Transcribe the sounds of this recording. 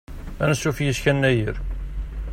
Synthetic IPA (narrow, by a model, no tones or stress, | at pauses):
ænəsːufjəskænːæjəɾ